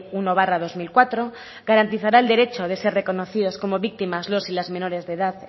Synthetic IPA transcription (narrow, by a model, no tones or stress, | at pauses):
unoβ̞arað̞o̞zmilkwat̪ɾo̞ | ɡaɾant̪iθaɾaeld̪e̞ɾe̞t͡ʃo̞ðe̞se̞re̞ko̞no̞θiðo̞sko̞mo̞βik̚t̪imazlo̞silazmẽ̞no̞ɾe̞zðe̞ðað